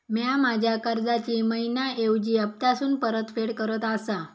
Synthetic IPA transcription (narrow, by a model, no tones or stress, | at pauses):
mjamad͡ʑʱjakəɾd͡zat͡ɕiːməinaewd͡ʑiːəp̚t̪asuːnpəɾət̪feɽkəɾət̪asa